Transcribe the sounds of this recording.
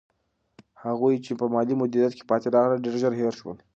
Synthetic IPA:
haɣujt͡ʃepəmɑlimʊd̪iɾjat̪̚ke̥pɑt̪eɾɑɣləɖeɾʒəɾɦeɾʃwə̰l

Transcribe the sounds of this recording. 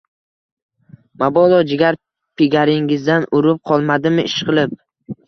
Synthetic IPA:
mabɒlˠɒd͡ʒɪɡʲaɾ | pʰɪɡʲaɾɪŋɪzd̪anʔʊɾɪp̚qʰɒlˠmad̪ɪmɪʔɪʃqɨlˠɪp̚

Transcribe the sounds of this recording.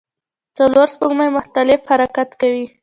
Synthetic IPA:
t͡saloɾspaɡmajmʊxt̪alɪfhaɾakat̪kawi

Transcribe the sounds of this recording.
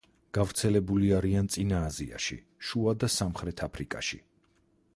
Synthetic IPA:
ɡ̥avɾt̪sʰɛlɛbuliaɾiant̪sʼinaːzia̰ʃḭ | ʃuad̪asamχɾɛt̪ʰapʰɾikʼa̰ʃḭ

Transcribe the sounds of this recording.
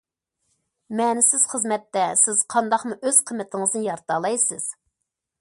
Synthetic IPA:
mɛːnɪsɪz̥χəzmɛt̪ːɛsɪzqʰɑnd̪ɑχmuʔøz̥qʰəmːɨt̪ʰɪŋəznɨjɑɾt̪ɑːlˠɑjsɨz̥

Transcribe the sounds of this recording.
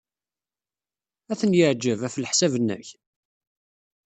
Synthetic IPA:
æθənjəʕd͡ʒəvæflħsævənːæ̰ç

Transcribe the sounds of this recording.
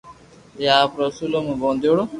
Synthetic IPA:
jaːpɾɐsulomũbõːnd̪oɽo

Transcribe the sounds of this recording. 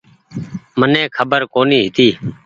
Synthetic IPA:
mənẽːkʰəbəɾkoːniːɦɪt̪iː

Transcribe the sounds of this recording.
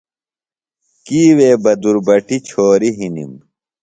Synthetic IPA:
kiːweːbɐd̪uɾbɐʈit͡ɕʰoːɾiɦinḭm

